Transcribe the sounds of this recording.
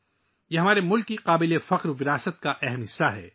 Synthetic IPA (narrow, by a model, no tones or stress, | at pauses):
jeːɦɐmaːɾemʊlkːiqaːbɪlefɐqɾʋɪɾaːsət̪̚kaʔɛɦɛmɦɪsːaɦɛ̰ː